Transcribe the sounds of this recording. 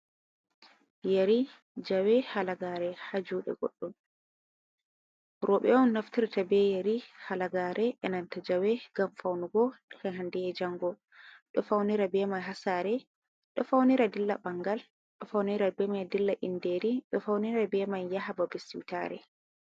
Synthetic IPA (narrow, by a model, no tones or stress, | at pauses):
jaɾi | d͡ʒawɛhalaɡaɾɛhad͡ʒuːɗɛ̰ɡɔ̰ɗːum | ɾɔɓɛɔnnaftiɾtabɛjaɾihalaɡaːɾʔɛʔɛnantad͡ʒawɛɡ̥amfawnuɡɔɛɦandɛjɛd͡ʒaŋɡɔ | ɗɔfawniɾabɛmajɦasaɾɛ | ɗɔfawniɾadilːabaŋɡal | ɗɔfawniɾabɛmajdilːaʔindeɾiɗɔfawniɾabɛmajːahababisḭwta̰ɾɛ̰